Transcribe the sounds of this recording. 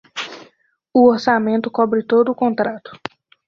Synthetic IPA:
ʊoɾsamẽnt̪ʊkɔbɾɪt̪od̪ʊːkõnt̪ɾat̪ʊ̥

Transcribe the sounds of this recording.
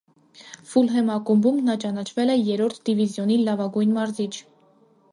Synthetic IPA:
fulɦɛmɑkumbumnɑt͡ʃɑnɑt͡ʃʰvɛlɛjɛɾɔɾt̪ʰd̪ivizjɔnilɑvɑɡujnmɑɾzit͡ʃʰ

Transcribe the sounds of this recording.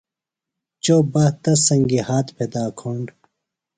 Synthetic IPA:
t͡ɕobɐht̪ɐsɐŋɡihaːt̪pʰed̪aːkʰoːɳɖ

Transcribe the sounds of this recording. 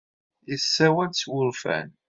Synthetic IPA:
isːæwælswʊɾfæ̰n

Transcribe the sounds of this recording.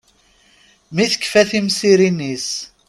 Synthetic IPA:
miθə̥kːfæθimsiɾinis

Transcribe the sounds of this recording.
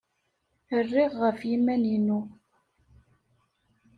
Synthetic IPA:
ərːiʁːəfjimæninu

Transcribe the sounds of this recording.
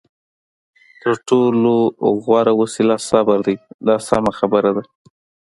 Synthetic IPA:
t̪əɾʈoloɣwɑɾawəsilɑsɑbaɾd̪ajd̪ɑsɑmaxabəɾad̪a

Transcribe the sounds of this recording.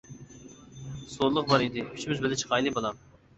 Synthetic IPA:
soɾlˠʊqbɑɾid̪ɪy̥t͡ʃʰimɪzbɪlɪt͡ʃʰə̥qʰɑjlˠɨbolˠɑm

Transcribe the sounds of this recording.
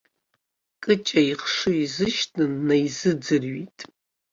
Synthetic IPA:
kʼɨt͡ʃʼaiχʂɨizɨʃtʰʼɨnːajzɨd͡zɨrɥitʼ

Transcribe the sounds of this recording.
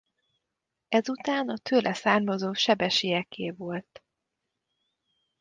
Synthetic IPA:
ɛzut̪aːnɒt̪ʰøːlʔɛsaːrmɒzoːʃɛbɛʃijɛkʰeːvo̞lt̪

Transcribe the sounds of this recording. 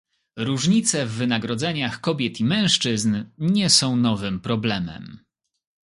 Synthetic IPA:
ɾuʐɲit̪sɛvːɘnaɡɾɔd̪zɛɲaxkɔbʲjɛt̪imɛ̃w̃ʂt͡ʂɘznɲɛsɔ̃w̃nɔvɘmpɾɔblɛmɛ̰m

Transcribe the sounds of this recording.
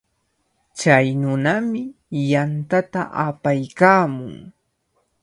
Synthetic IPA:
t͡ʃajnʊnamɪ | jant̪at̪a̰ʔapajkaːmʊŋ

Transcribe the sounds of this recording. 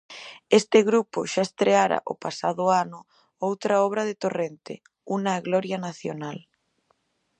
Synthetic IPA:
est̪eɣɾupoʃaest̪ɾeaɾa̰ʔo̰pasaðʊanʊ | owt̪ɾaɔβ̞ɾaðet̪orent̪ḛ | unaɣlɔɾjanaθjonal

